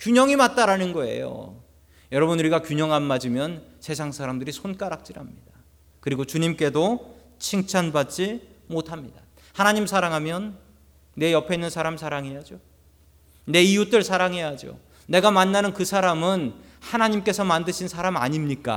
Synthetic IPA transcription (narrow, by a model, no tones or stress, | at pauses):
kjuɲʌŋimat̚t͈aɾanɯnɡʌe̞̰jo̰ | jʌɾʌbɯnuɾiɡakjuɲʌŋɦanːad͡ʑimjʌnsʰe̞s̬ʰaŋsʰaɾamdɯɾisʰonk͈aɾak̚t͡ɕ͈iɾɦamɲid̥a | kɯɾiɡot͡ɕuɲimk͈e̞do | t͡ɕʰiŋt͡ɕʰanbat̚t͡ɕ͈imotʰamɲid̥a | hanaɲimsʰaɾaŋɦamjʌnː | e̞jʌpʰeinːɯnsʰaɾamsʰaɾaŋɦe̞jad͡ʑo | ne̞ijut͈ɯɭsʰaɾaŋɦe̞jad͡ʑio̰ | ne̞ɡamanːanɯnkɯsʰaɾamɯn | hanaɲimk͈e̞sʰʌmandɯɕʰinsʰaɾamaɲimɲik͈a̰